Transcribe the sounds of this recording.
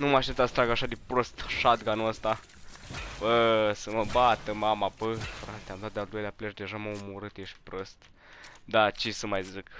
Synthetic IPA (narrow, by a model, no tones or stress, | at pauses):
numaʃent̪asə̥t̪ɾaɡaʃad̪ipɾost̪ʃad̪ɡanuəst̪a | pəsəməbat̪əmamapəfɾat̪eamd̪at̪̚d̪eald̪o̞jleapleʃd̪eʒaməumoɾɨt̪jeʃpɾost̪ | d̪at͡ʃisəmajzɨk